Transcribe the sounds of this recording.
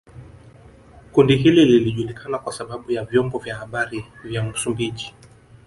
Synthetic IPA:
kundiɦilililiʄulikʰanakwasaɓaɓujavjɔmbɔvjahaɓaɾivjamusumbiʄi

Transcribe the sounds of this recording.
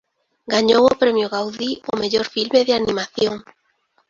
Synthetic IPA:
ɡaɲowopɾemjoɣawðiomeʎoɾfilmeðeanimaθjoŋ

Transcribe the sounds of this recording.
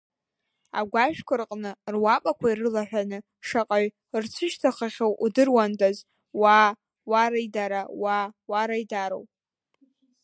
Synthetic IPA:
a̰ɡʷaʃᶣkʷʰʊrqʼnɨrwapʼakʷʰairɨlaħᶣanɨ | ʂaqʼaɥ | rt͡sʷʰɨʃtʰaχaχʲowʔudɨrwandʰʼaz | wa | waɾaidaɾawawaɾajdaɾo̰wpʼ

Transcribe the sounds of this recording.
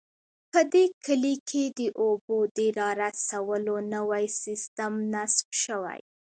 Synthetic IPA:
pəd̪ekʰəlikʰed̪əʔobod̪əɾɑɾasawəlonəwajsist̪amnasbʃəwa̰j

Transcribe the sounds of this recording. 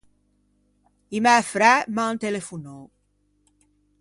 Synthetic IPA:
imɛfɾɛmant̪elefuno

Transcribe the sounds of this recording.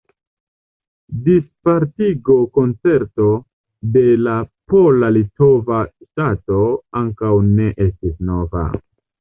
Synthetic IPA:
dispaɾtiɡo̞ko̞nt͡se̞ɾto̞ | de̞lapo̞lalito̞vaʃtato̞aŋkawne̞ʔestisno̞va̰

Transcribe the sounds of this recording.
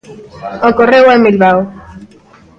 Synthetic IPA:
okorewamilβaw

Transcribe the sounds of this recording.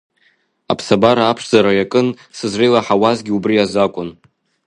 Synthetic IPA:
a̰pʰsabaɾaːpʰʂzaɾajakʼɨn | sɨzrejlaħawazɡʲiubrijazakʷʼʊn

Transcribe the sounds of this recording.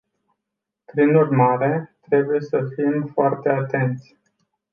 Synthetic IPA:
pɾinurmaɾe̞t̪ɾe̞buje̞səfimfoart̪e̞at̪e̞nt̪sʲ

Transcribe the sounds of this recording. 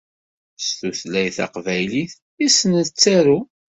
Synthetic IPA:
st̪uθlæjθɑ̰qvæjliθ | isnət͡sːæɾu

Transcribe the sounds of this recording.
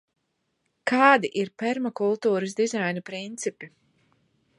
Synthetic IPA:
kaːd̪iʔiɾpɛɾmɔkulˠt̪uːɾəsd̪izajnupɾint̪sipi

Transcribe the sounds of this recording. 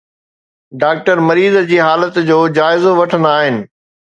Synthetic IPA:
ɖaːk̚ʈəɾmɐɾiːzd͡ʑiːɦaːlət̪d͡ʑoːd͡ʑaːɪzoʋɐʈʰə̃nd̪aːɦɪnɪ̆

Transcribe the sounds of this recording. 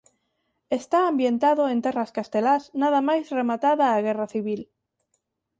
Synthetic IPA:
est̪aːmbjent̪aðoent̪eraskast̪elaznaðamajzremat̪aðaːɣeraθiβil

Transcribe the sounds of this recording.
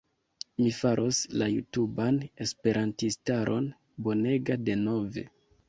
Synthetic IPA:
mifaɾʔo̞slajutubane̞spe̞ɾʔantistaɾʔo̞̰n | bo̞ne̞ɡade̞no̞ve̞̰

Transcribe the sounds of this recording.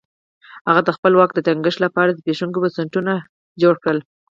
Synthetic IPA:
haɣad̪əxpəlwɑk̚d̪ət̪aŋɡəʂtlapɑɾad̪əpeʃuŋkobasaɳʈuna | d͡ʒoɽkɽəl

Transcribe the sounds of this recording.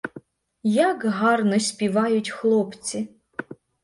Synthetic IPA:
jaɡɦarnɐsʲpʲivajutʲxlˠopt͡sɪ

